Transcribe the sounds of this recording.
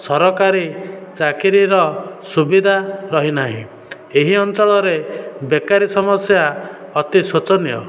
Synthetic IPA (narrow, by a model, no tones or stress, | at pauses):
sɔɾɔkaɾit͡ʃakiɾiɾɔsubid̪ʱaɾɔɦinaɦḭ̃ | eɦiɔnt͡ʃɔɭɔɾebekaɾisɔmɔsja | ɔt̪isut͡ʃɔnjɔ̰